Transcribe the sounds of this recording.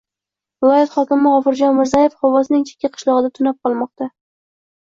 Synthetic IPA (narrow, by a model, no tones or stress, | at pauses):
vɪlˠɒjat̪χɒkʲɪmɪʁɒfɨɾd͡ʒɒnmɪɾzaje̞fχɒwɒznɪŋt͡ʃʰe̥kʲʰːaqʰɨ̥ʃlˠɒʁɨd̪at̪ʰʊnap̚qʰɒlˠmɒq̚t̪a